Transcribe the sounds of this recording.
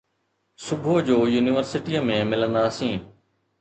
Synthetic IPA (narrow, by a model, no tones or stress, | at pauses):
sʊbʱoːd͡ʑoːjuːnɪʋəɾsɪʈijãːmẽːmɪlə̃nd̪aːəsĩː